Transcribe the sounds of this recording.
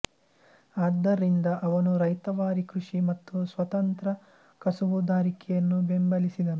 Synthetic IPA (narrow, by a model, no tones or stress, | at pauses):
aːd̪ːɐɾind̪ɐʔɐʋɐnuɾɐjt̪ɐʋaːɾikɾuʂimɐt̪ːusʋɐt̪ɐnt̪ɾɐ | kɐsuʋud̪aːɾikɛjɐnːubembɐlisid̪ɐnu